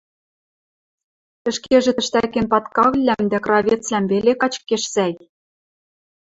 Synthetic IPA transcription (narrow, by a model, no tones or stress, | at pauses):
ɘ̆ʃkeʒĕt̪ɘ̆ʃt̪ækĕnpɑt̪kɑɣlʲlæmd̪ækrɑβʲet͡slæmbelekɑt͡ɕkːeʃsæj